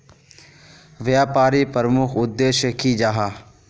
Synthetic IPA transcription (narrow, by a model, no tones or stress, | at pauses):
ʋjaːpaːɾipəɾəmʊkʰʊd̪ːeːʃjəkid͡ʒaːɦaː